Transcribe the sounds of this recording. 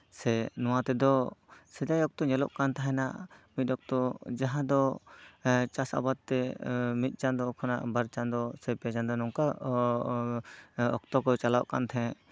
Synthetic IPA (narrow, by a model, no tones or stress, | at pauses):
sɛnɔwat̪ɛd̪ɔsɛd̪ajɔk̚t̪ɔɲɛlɔ̰ʔkant̪aɦɛnaʔmit̪̚ˀɔk̚t̪ɔd͡ʒaɦãd̪ɔ | t͡ʃasa̰bad̪̚t̪ɛmit̪̚ˀt͡ʃand̪ɔkʰana̰ʔbaɾt͡ʃand̪ɔsɛpɛad͡ʒand̪ɔnɔŋka | ɔ̰k̚t̪ɔkɔt͡ʃalaʔka̰nt̪ʰɛ̃